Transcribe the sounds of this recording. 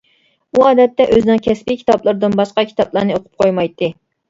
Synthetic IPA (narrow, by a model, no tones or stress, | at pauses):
uɑːd̪ɛt̪ːɛʔøzɪnɪŋkʲʰɛspikʲʰi̥t̪ʰɑblˠɨɾd̪ɨnbɑʃqɑkʲʰi̥t̪ɑblˠɑɾnɨoqʰʊ̥p̚qʰojmɑjt̪ːɨ